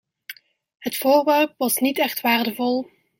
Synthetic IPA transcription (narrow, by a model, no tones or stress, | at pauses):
ɦətfoːɹʋɛrpʋɑsnitɛχtʋaːrdəvɔlˠ